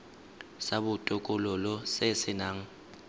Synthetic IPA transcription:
sabʊtʼʊkʼʊlɔlɔsɪsɪnaːŋ̩

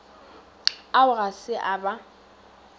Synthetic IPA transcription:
aʊɣasɪʔaba

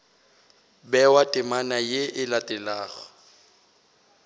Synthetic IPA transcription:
bɛwatʼɪmanajeʔɪlatʼɛlaːɣɔ̥

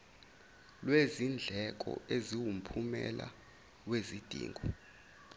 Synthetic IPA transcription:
lwezind͡ɮʱɛk̬ʼɔ̰eziwum̩pʰumɛ̰la | wezid̥ʱḭːŋɡʱɔ

